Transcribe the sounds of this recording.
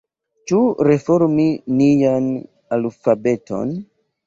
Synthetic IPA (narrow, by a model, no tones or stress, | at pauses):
t͡ʃuɾe̞foɾminijan | alfabe̞to̞̰n